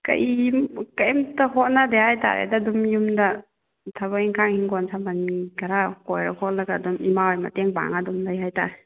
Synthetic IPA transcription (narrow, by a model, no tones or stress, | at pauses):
kɐ̰jmkɐjmtɐɦɔt̚nadehajta̰ɾḛdaːdumjumdɐ | tʰaβaiŋkʰaŋhiŋɡɔnsʰamaniɡaɾakɔjɾakʰɔt̚laɡaːdumimaojmɐ̰teŋba̰ŋadumlajhajta̰ɾe